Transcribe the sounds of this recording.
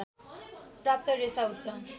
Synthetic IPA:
prap̚t̪ʌresaɦut̪t͡sʰʌ

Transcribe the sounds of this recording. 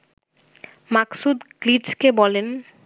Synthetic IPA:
maksud̪kliʈskebɔlen

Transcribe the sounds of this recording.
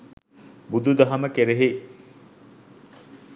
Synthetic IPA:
bud̪ud̪ɐɦɐməkeɾeɦe

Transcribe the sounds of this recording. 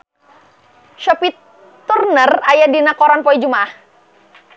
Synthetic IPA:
ʃɔpit̪ː | urnərajadinakɔɾɔnpɔid͡ʒumaah

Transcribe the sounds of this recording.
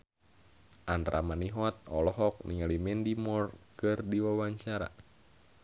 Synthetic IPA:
ʔanrʔa̰maniɦɔt̪̚ɔlɔɦɔk̚nḭŋalimɛndimɔrkɨrdiwawaɲt͡ʃaɾa̰

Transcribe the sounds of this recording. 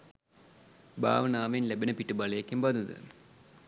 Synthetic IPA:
ba̰ːʋɐnaːʋejinlebenəpiʈːɨbɐlejekːimbɐd̪ud̪ɨ̰

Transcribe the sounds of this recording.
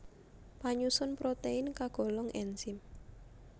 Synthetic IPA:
paɲusʊnpɾot̪einkaɡ̥ɔ̤lɔŋʔɛnsɪm

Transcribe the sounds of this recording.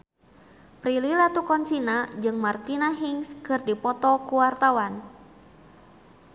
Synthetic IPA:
pɾililat̪ukɔnsinad͡ʒɨŋmart̪inaɦiŋskɨrdipɔt̪ɔkuwart̪awan

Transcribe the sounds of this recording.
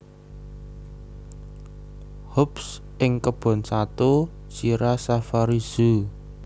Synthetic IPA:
hʊps | ʔɪŋkəb̥ɔ̤nsat̪o | siɾasafaɾiz̥u

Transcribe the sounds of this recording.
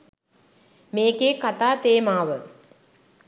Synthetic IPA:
meːkeːkat̪aːt̪eːmaːʋə

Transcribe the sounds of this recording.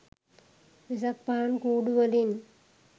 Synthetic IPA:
ʋɪsɐk̚pːaːnkuːɽuʋɐlɪn

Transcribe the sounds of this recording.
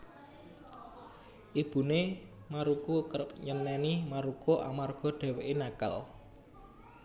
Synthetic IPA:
ʔib̥ṳne | maɾukukəpɲənːɛnimaɾukoʔa̰marɡ̥ɔ̤ɖ̥ɛ̤weʔenakə̰l

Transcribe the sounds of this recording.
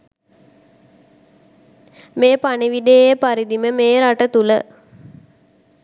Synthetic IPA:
meːpaniʋid̪ejejəpaɾid̪iməmeːɾaʈət̪ulə̰

